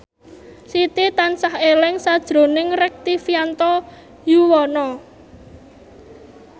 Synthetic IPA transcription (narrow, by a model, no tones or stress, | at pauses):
sit̪it̪ansahelɪŋsad̥ʒ̥ɾo̤nɪŋrɛk̚t̪ifiant̪ɔ | juwɔnɔ